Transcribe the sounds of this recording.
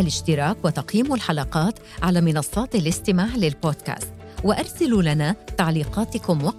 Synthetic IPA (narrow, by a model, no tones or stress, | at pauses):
alɪʃt̪ɪɾˤɑːkwat̪ɑqjiːmalħɑlɑqɑːt̪ | ʕalaːmɪnɑsˤːɑːt̪alɪst̪ɪmaːʕlɪlboːd̪ka̰ːst̪ | waʔɑɾˤsalulanaːt̪aʕliːqɑːt̪ɪkʊmwɑ